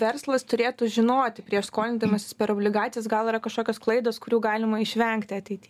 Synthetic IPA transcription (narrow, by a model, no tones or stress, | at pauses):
ʋʲɛrslˠɐst̪ʊɾʲeːt̪uʒʲɪnoːt̪ʲɪpʲɾʲiɛʃskoːlʲɪnd̪ɐjmɐsʲɪspʲɛɾoːbʲlʲɪɡɑːt͡s̪ʲɪjɛsɡɐlˠiɾɐkɐʃkoːkʲoːsklˠɐɪd̪oːskʊɾʲuːɡɑːlʲɪmɐɪʃʲʋʲɛŋkt̪ʲɪɐt̪ʲɛɪtʲiː